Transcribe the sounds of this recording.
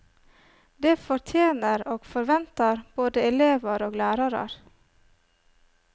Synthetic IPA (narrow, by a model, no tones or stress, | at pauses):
d̪eːfɔɾt̪ʰjeːnəɾoːɡ̥fɔɾʋɛnt̪ɑɾb̥oːd̪əɛleːʋəɾoːɡlæːɾɑɾɑ̰ɾ